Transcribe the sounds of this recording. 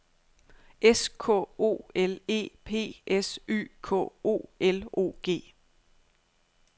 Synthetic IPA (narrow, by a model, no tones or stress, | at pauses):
ʔeskʰɔ̰o̝̰ːele̝̰ːpʰe̝̰ːʔesy̰ːkʰɔ̰ːo̝̰ːelo̝̰ːɡ̥e̝̰ː